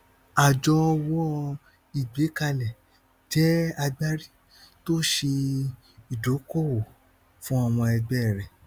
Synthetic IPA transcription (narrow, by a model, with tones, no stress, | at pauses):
a˨d͡ʒɔ˧wɔ˦ | i˨ɡ͡be˨˦ka˧lɛ˨ | d͡ʒɛ˦a˧ɡ͡ba˦ɾi˦ | to˦ʃe˧ | i˨do˨˦kɔ˦˨wo˨ | fũ˦a˧w̃ɔ̃˧ɛ˧ɡ͡bɛ˦˨ɾɛ˨